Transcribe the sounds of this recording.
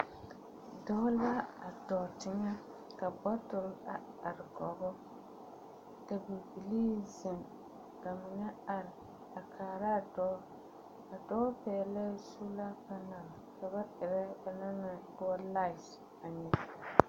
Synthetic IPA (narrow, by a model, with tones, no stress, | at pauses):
dɔ˦la˦a˨dɔ˨tɪ˦ɲɛ˦ | ka˨bɔ˦tʊ˨la˨ | a˨ɾɪ˨ɡɔ˨bɔ˦ | ka˨bi˨bi˨li˦zɪ˨ŋ | ka˨mɪ˨ɲɛ˦a˨ɾɪ˨ | a˨kʰaː˨ɾa˦˨dɔ˦ | ka˨dɔ˦pɛː˨lɛ˦su˦la˦pa˦na˨ka˨ba˦ʔɪ˨ɾɛ˦ba˨na˦nɪ˨dʊ˦a˦la˦ɪ˨s | a˨ɲɛ˦